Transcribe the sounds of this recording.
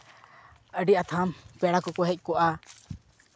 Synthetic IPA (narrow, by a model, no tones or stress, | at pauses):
əɖiat̪ʰampɛɽakɔkɔɦɛc̚ˀkɔʔa